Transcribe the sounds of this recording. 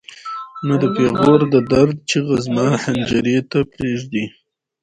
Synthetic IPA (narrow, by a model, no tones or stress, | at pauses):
nəd̪əpeɣoɾd̪əd̪aɾd̪̚t͡ʃeɣazmahand͡ʒaɾet̪apɾeʒd̪i